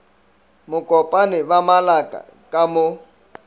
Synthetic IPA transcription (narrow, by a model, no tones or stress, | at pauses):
mʊkʼɔpʼanɪbamalakʼa̰ | kʼamʊ